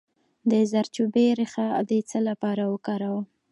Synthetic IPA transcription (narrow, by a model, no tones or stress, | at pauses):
d̪əzaɾt͡ʃubeɾixad̪ət͡səlapɑɾawəkɑɾawa